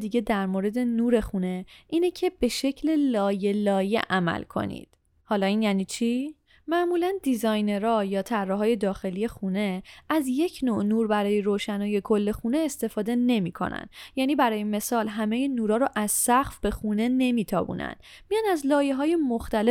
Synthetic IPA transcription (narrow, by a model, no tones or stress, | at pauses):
d̪iːɟe̞d̪æɾmoɾe̞d̪e̞nuːɾe̞xune̞ʔiːnecʰe̞be̞ʃe̞cʰle̞lɒːjelɒːjḛʔæmæ̰lkʰo̞̰nḭːd̪̥ | hɒːlɒːiːnjæːniːt͡ʃʰiː | mæʔmuːlænd̪izɒːjne̞ɾɒːjɒːt̪ʰærːɒːɦɒːje̞d̪ɒːxe̞lije̞xune̞ʔæzje̞cʰnoʔnuːɾbæɾɒːje̞ɾoːʃænɒːje̞kʰo̞lːe̞xune̞ːst̪e̞fɒːd̪e̞ne̞miːkʰo̞̰næ̰njæːniːbæɾɒːjeme̞sɒːlɦæme̞jenuːɾɒːɾoʔæz̥sæxfb̥e̞xuːne̞ne̞miːt̪ʰɒ̰ːbṵːnæ̰n | mijɒnæzlɒːje̞ɦɒːje̞moxt̪æle